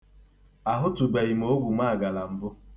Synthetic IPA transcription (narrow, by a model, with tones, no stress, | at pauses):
a˨ɦʊ˦tu˨ɡ͡ba˨i˨m˨o˦ɡʷu˨ma˦a˨ɡa˨la˨m̩˨bʊ˦